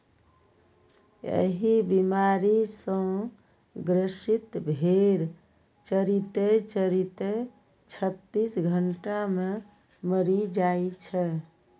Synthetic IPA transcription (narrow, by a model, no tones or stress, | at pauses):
ḛɦibimaɾisə̃ | ɡɾəsit̪bʱeɾ | t͡ʃəɾit̪et͡ʃəɾit̪e | t͡ʃʰət̪ːisɡʱəɳʈame | məɾid͡ʒajt͡ʃʰɛ